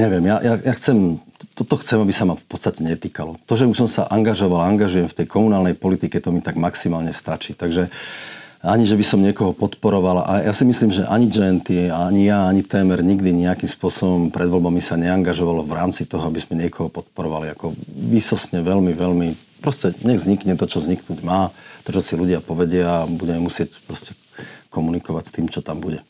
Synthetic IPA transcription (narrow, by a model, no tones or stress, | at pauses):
ɲɛʋjɛmjajʔajaxt͡sɛmt̪ɔt̪ɔxt͡sɛmabisamafpɔt̪t͡st̪acɛɲɛt̪iːkalɔt̪ɔʒɛusɔmsa̰ʔaŋɡaʒɔʋalaaŋɡaʒujɛmft̪ɛjkʰɔmunaːlnɛjpɔlit̪ikɛt̪ɔmit̪aɡmaksimaːlɲɛst̪at͡ʃiːt̪aɡʒɛ | aɲiʒɛbisɔmɲɪɛkɔɦɔpɔt̪pɔɾɔʋalaʔajasimisliːmʒɛʔaɲid͡ʒɛnt̪iaaɲijaaɲit̪ɛːmɛɾɲiɡd̪iɲiakimspʊɔsɔbɔmpɾɛd̪ʋɔlbamisaɲɛaŋɡaʒɔʋalɔʋɾaːmt͡sit̪ɔɦɔabizmɛɲɪɛkʰɔɦɔpɔt̪̚pɔɾɔʋaliakɔʋiːsɔsɲɛʋɛlmiʋɛlmi | pɾɔscɛɲɛɣvzɲikɲɛt̪ɔt͡ʃɔvzɲiknuːɟmaːt̪ɔt͡ʃɔsiluɟɪapɔʋɛɟɪabuɟɛmɛmusɪɛcpɾɔscɛ̥ | kɔmunikɔʋacst̪iːmt͡ʃɔt̪ambuɟɛ